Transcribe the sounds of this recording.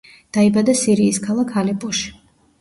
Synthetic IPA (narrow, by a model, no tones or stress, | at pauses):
d̪̥aibad̪asiɾiːskʰalˠakʰalipʼɔʃi̥